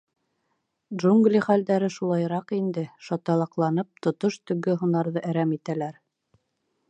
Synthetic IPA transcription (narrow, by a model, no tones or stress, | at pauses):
dʒuŋɡlʲiχæld̪æɾɘʃulˠɑjɾɑqind̪ɘʃɑt̪ɑlˠɑqlˠɑnɤp̚t̪ŏt̪oʃt̪ɵ̆ɡɘɦŭnɑɾðɤʔæɾæmit̪ælæɾ